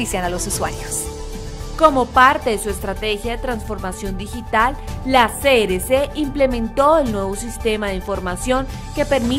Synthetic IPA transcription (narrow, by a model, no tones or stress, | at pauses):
isjanalosuswa̰ɾjos | ko̞mo̞paɾt̪e̞ðesue̞st̪ɾat̪e̞xjaðe̞t̪ɾansfo̞ɾmasjo̞nd̪ixit̪alːaseɾeseʔimplemẽ̞nt̪o̞elnwe̞βo̞sist̪e̞maðe̞iɱfo̞ɾmasjo̞ŋ | ke̞pe̞ɾmi